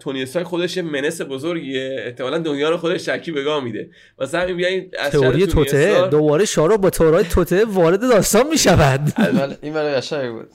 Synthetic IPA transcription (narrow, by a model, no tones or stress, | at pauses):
t̪ʰoniest̪ɒːjxod̪eʃjeme̞ne̞se̞bozoɾɡiːeeht̪ʰemɒːlænd̪onjɒːɾexod̪eʃt̪æɾkʰiːbeɡɒːhmiːd̪e̞̰ | væsææmimbijæinæ̰tzʰeoɾijeot̪ʰed̪obɒːɾeʃɒːɾoʔbɒːt̪ʰeoɾɒːjet̪ʰot̪ʰeʔevɒːɾe̞d̪e̞d̪ɒːst̪ɒːnmiːʃævænd̪lælinbælʁæʃæbṵd̪